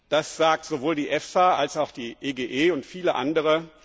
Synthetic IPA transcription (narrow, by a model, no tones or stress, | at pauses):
d̥asz̥aːk̚tz̥ovoːldiːʔɛfsaʔalsaʊxd̥iːʔeːɡeːʔeːʊntfiːləʔa̰ndəʁ̞ə